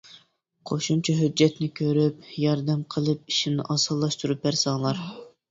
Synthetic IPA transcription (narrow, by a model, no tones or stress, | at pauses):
qʰoʃumt͡ʃʰɑɦyd͡ʒːɛt̪nɪkʲʰøɾyp̚jɑɾd̪ɛmqʰəlˠɨp̚iʃimnɪʔɑsɑlˠːɑʃt̪uɾup̚æɾsɑːlˠɑɾ